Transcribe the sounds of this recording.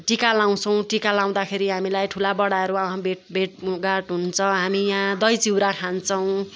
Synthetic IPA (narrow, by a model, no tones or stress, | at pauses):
ʈikalaw̃t͡sʰʌw̃ʈikalãw̃d̪akʰeɾiɦamilajʈʰulabʌɽaʌɾuaãbʱeʈbʱeʈɡaʈɦunt͡sʰʌɦamijãd̪ʌjt͡siwɾakʰant͡sʰʌw̃